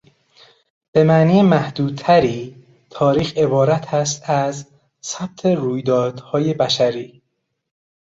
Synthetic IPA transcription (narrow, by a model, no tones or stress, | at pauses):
b̥e̞mæʔniːjemæhd̪uːd̪̚t̪ʰæɾiː | t̪ʰɒːɾiːxe̞bɒːɾæt̪ʰæst̪æz | sæb̥̚t̪ʰe̞ɾuːjd̪ɒːd̪̥hɒːje̞bæʃæɾiː